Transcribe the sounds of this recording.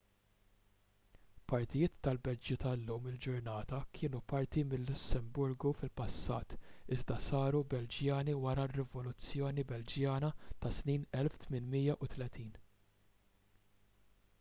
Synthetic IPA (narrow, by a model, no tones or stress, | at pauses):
pɐɾt̪ɪjɪːt̪ːɐlbɛd͡ʒːut̪ɐlːuːmɪld͡ʒʊɾnɐːt̪ɐkʰɪːnupɐɾt̪imɪlːʊsːɛmbʊɾɡufɪlpɐsːɐːt̪ɪzd̪ɐsɐːɾubɛld͡ʒjɐːniwɐɾɐrːɛvɔlʊt͡sːjɔːnibɛld͡ʒjɐːnɐt̪ɐsniːnɛlft̪mɪnmɪjːɐʔʊt̪lɛt̪ʰiːn